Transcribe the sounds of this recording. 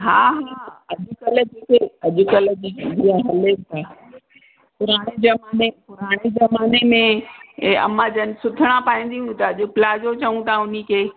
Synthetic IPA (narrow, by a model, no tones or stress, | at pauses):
ɦaːɦaːɐʄʊkɐlə̆d͡ʑeːkʰeɐʄʊkɐlə̆d͡ʑiːdiaɦɐlet̪ʰaː | pʊɾaːɽ̃ezɐmaːnepʊɾaːɽ̃ezɐmaːnemẽ | ɐ̰mãd͡ʑənɪ̆sʊt̪ʰəɽ̃apaːĩːn̆d̪iɦũt̪ɐɐʄʊ̆pɪlad͡ʑot͡ɕɐʋũt̪ʰaʊnikʰeː